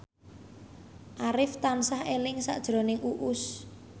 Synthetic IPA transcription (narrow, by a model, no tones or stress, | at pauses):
ʔaɾɪft̪ansahelɪŋsa̰ʔd̥ʒ̥ɾo̤nɪŋʔuʔʊs